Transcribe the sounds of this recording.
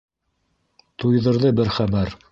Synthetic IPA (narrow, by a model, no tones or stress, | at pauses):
t̪ujðɤ̆ɾðɤbɘɾχæbæɾ